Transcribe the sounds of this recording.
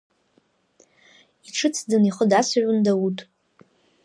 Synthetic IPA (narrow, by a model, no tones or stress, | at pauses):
iʈ͡ʂʰɨt͡sʰdɨniχədasʒʷundawutʼ